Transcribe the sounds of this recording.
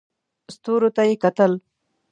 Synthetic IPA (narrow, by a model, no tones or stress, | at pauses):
st̪oɾot̪ajekat̪əl